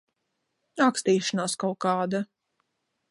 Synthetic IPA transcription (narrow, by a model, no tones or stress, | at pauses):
ɾakst̪iːʃanaːskawkaːd̪a